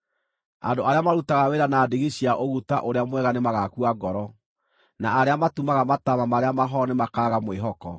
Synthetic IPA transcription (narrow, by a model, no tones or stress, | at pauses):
a̰ndoaɾeamaɾutaɣaweɾanaːdeɣiɕiaʔoɣutaʔoɾeamwɛɣanemaɣakuaɡɔɾɔ | naaɾeamatumaɣamatamamaɾeamaɦɔnemakaːɣamweɦɔkɔ